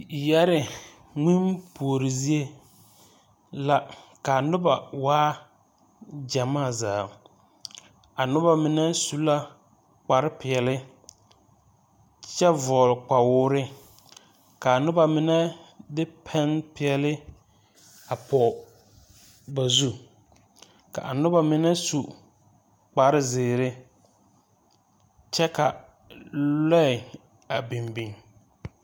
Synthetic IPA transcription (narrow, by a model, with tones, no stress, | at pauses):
jɛ˦ɾɪ˨ | ŋi˦mpʰu˨o˨ɾɪ˨zi˦e˦ | la˦ka˨nʊ˦ba˨waː˦ | d͡ʒa˨maː˦˨za̰ː˨ | a˨nʊ˦ba˦˨mɪ˨nɛ˦su˦la˦ | k͡pa˨ɾɪ˦pɪ˨ɛ˨lɪ˦ | t͡ʃɛ˦vɔ˨lk͡pa˨wʊː˦ɾɪ˦ | ka˨a˨nʊ˦ba˨mɪ˦nɛ˦dɪ˦pʰɛ˦npɪ˨ɛ˨lɪ˦ | a˨pɔ˨ | ba˨zu˦ | ka̰˨ʔa̰˨nʊ˦ba˨mɪ˦nɛ˦su˨ | k͡pa˨ɾɪ˦zɪː˨ɾɪ˦ | t͡ʃɛ˦ka˨ | lɛ˦ɪ˨ | a˨bi˨mbi˨ŋ